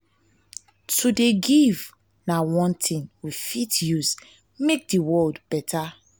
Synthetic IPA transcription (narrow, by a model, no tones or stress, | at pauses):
tʰudeɡiv | nawɔ̃ntʰĩnwifitjuz | mek̚diwɔldbɛtʰa